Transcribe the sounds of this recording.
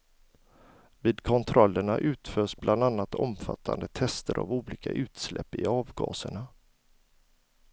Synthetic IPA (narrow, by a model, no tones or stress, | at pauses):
viːd̪kʰɔnt̪ʰɾɔlːəɳaʔʉ̟ːt̪føːʂblʔand̪anːat̪ɔmfa̰t̪ʰːand̪ət̪ʰɛst̪əɾʔa̰vuːliːkʰaʔʉ̟ːt̪slʔɛ̰pːɪɑːvɡɑ̰ːsəɳa